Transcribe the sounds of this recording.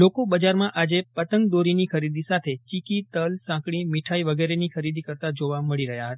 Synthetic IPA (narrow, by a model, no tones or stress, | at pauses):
lokobəd͡ʒaɾmãʔad͡ʒepət̪əŋɡ̚d̪oɾinikʰəɾid̪isat̪ʰet͡ʃikit̪əlsãkɽ̃imiʈʰaiʋəɡeɾenikʰəɾid̪ikəɾt̪ad͡ʒoʋaməɭiɾəɦjaɦət̪